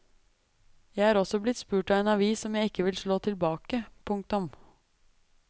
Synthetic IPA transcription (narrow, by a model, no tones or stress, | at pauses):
jæɪhɑːɾɔsɔblɪt̪spʉːʈɑːeːnɑʋiːsɔmjæɪɪkːəʋɪlʂɭoːt̪ʰɪlbɑːkəpʰʊŋk̚t̪ʊm